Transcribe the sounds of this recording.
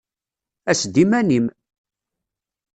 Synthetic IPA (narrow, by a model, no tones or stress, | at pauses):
æsd̪imænim